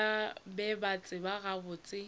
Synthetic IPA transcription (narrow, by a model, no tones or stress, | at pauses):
abɛbat͡sʼɪbaɣabʊːt͡sʼɪ